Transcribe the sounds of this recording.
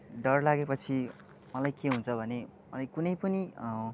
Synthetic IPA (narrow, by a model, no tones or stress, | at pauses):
ɖʌrlaɡepʌt͡sʰi | mʌlajkeɦũnt͡sʰʌbʱʌne | mʌlajkunʌjpʌni